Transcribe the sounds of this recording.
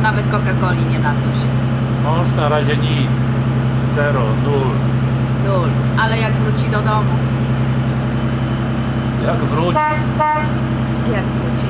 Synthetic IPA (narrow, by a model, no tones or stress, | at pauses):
navɛt̪̚kɔkakɔlʲiɲɛnat̪nɔɕɛ | mɔ̃ʂnaɾaʑɛɲit̪s | zɛɾɔnul | nul | ʔalɛjaɡvɾut͡ɕid̪ɔd̪ɔmu | jaɡvɾui | jaɡvɾut͡ɕi